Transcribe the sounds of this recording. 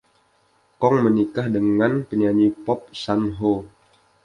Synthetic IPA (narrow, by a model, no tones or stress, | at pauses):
kɔŋmənikahdəŋanpəɲaɲipɔp̚sanɦo